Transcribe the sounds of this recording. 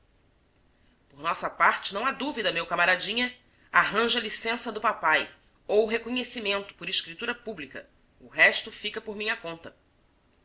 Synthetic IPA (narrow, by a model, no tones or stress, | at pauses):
poɾnɔsɐpaɾt͡ʃɪnɐ̃w̃ad̪uvid̪ɐmewkamaɾad͡ʒĩɲɐ | aɦɐ̃ʒɐlisẽsɐd̪ʊpapaj | owɦekoɲesimẽnt̪ʊ̥poɾiʃkɾit̪uɾɐpublikɐ | ʊɦɛʃt̪ʊfikɐpoɾmĩɲɐkõnt̪ɐ